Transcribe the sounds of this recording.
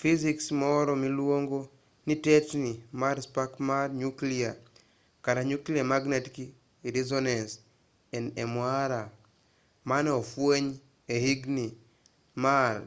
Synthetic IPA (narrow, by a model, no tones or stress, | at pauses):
fiziksmɔɾɔmilwoŋɡo | nitet͡ʃnimaɾspakmarɲuklia | kaɾaɲukliamaɡnetki | ɾizɔnans | ɛnemwaɾa | manɛofweɲ | ehiɡni | mar